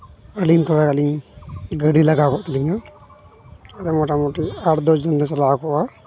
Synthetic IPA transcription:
əliɲt̪ʰɔɾakaliɲɡəɖilaɡakɔʔt̪ɛliɲa | aɾɛmɔʈamɔʈiaɾd̪ɔd͡ʒd͡ʒɔnd̪ɛt͡ʃalakɔʔa

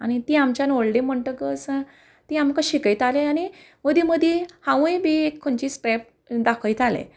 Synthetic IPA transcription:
añit̪iːamt͡ɕjanoɭɖĩm̤əɳʈəkəs | t̪iamkaɕikəjt̪ʰaleani | məd̪ʱiməd̪ʱehãʋjbʱiekʰːoɳt͡ɕiːspɾɛp̚ | d̪akʰəjt̪ʰalḛ̃

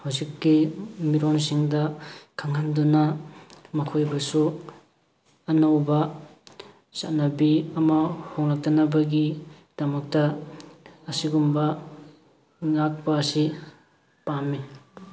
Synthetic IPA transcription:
hawzikːimiɾonsiŋdɐkʰaŋhandunɐmɐkʰojbɐsu | ɐnawbɐ | sa̰nɐbiɐmɐhoŋlak̚tɐnɐbɐɡi | d̥ɐmɐk̚tɐː | siɡumbɐ | ŋak̚pɐːsi | pamːi

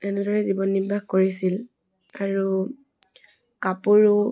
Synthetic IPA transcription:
ɛnɛdɔɹɛzibɔnːibʱaɡkoɹisil | aɹu | kapuɹʊ

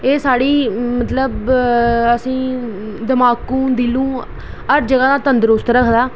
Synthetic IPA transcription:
eːsaːɽiːmət̪ləb | əsĩː | d̪əmaːkũːd̪ilũː | əɾd͡ʒəɡãːd̪aːt̪ənd̪əɾost̪əɾəkʰd̪aː

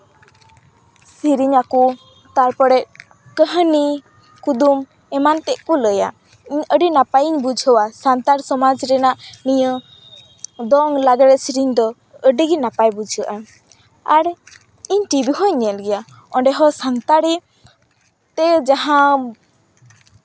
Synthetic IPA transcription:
siɾiɲaku | t̪aɾpɔɽɛt̪̚ | kəɦəni | kud̪um | ɛmant̪ɛʔkɔləja̰ | iɲəɖinapajiɲbud͡ʒʱɦɔwasant̪aɾsɔmad͡ʒɾɛnaʔniɲə | d̪ɔŋlaɡaɾɛsiɾiɲd̪ɔ | əɖiɡinapajbud͡ʒʱəʔa | aɾ | iɲʈibiɦɔjɲɛlɡɛja | ɔɳɖɛɦɔsant̪aɽi | t̪ɛd͡ʒaɦã

